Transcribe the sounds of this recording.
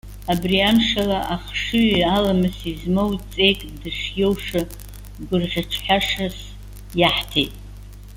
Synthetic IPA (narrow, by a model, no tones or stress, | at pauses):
abriamʂalaʔaχʂɨalamɨsizmowt͡sʼe̞jkʼdɨʂjowʂɨ | ɡʷʊrʁʲaʈ͡ʂʰħaʂas | jaħtʰḛjtʼ